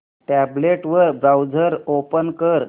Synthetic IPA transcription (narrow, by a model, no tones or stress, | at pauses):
ʈæbleʈʋəɾbawd͡zʱəɾopənkəɾ